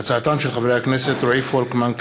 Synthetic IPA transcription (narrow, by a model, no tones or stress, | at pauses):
at͡saʕat̪amʃelxavɾejakneset̪ɾoʕifoalkmank